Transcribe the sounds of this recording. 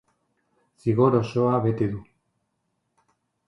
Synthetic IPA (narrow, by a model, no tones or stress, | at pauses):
siɣo̞ɾo̞so̞aβe̞t̪eðu